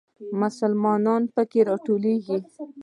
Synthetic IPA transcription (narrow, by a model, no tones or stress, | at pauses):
mʊsəlmɑnɑnpəkeɾɑʈoleɡi